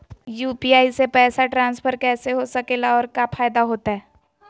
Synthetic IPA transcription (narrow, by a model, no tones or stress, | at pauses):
juːpiaːisepɛːsaʈɾãːnspʰəɾkɛːseɦosɐkeːlaɔːɾkapʰaːjd̪aɦoːt̪aɦɛː